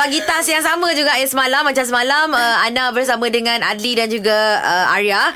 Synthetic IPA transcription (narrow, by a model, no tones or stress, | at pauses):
paɡit̪asjaŋsamə̃d͡ʒuɡaʔasəmalamːat͡ʃamsəmalaməanabərsamə̃dəŋãna̰dlidand͡ʒuɡaəa̰ɾia